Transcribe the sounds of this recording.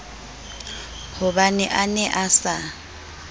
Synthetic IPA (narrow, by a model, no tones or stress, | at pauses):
hʊbanɛʔanɛʔasa